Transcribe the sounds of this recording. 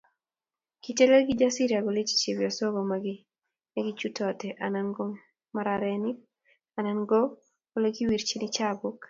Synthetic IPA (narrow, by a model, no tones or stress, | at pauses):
kitɛlɛlɡɪd͡ʒasiɾiaɡolet͡ʃi̥t͡ʃebjɔsɔɡomaɡi | eɡit͡ʃutɔtɛʔananɡɔ | maɾaɾɛnɪk̚ | ananɡɔ | ɡoleɡiwiɾt͡ʃenit͡ʃabɔk